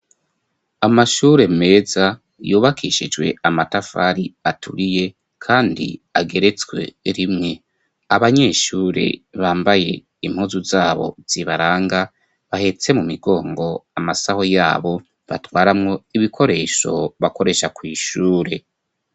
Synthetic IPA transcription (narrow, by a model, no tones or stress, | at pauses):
amaʃuːɾe̞mme̞ːza | juːβakʰiʃid͡ʒwe̞amatafaɾiatʰuɾije̞ | kʰaːndḭaɡe̞ɾe̞t͡swe̞̰ɾimŋe̞ | aβaɲe̞ːʃuːɾe̞̰βaːmbaje̞ | im̥huːzuzaːβo̞̰z̥iβaɾaːŋɡa | βahe̞t͡se̞mumiɡo̞ːŋɡo̞amasaho̞jaːβo̞ | βatwaːɾamŋo̞iβikʰo̞ɾe̞ːʃo̞̰βako̞ɾe̞ʃakwiːʃuːɾe̞